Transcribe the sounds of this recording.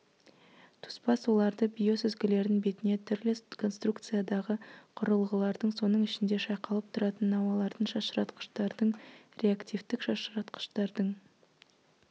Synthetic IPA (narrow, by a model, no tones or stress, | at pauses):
t̪ʰʊ̥spɑswo̞lˠɑɾd̪əbijo̞sʏzɡʲɪle̞ɾɪnbe̞t̪ɪne̞t̪ʰʏɾlɪkʰo̞nst̪rukt̪sɨjad̪ɑʁəqʰʊɾəlˠʁəlˠɑɾd̪əɴso̞nəɴɪʃɪnd̪e̞ʃɑjqɑlˠəp̚t̪ʰʊɾɑt̪ənːɑwɑlˠɑɾd̪ənʃɑʃəɾɑt̪qə̥ʃt̪ɑɾd̪əɴɾʲe̞akt̪ivt̪ɪkʃɑʃɾɑt̪qə̥ʃt̪ɑɾd̪əɴ